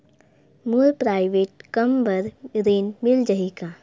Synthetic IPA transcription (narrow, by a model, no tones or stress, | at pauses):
mulpɾaːɪʋeːʈ̚kəmbəɾɾeːnmɪld͡ʒəɦika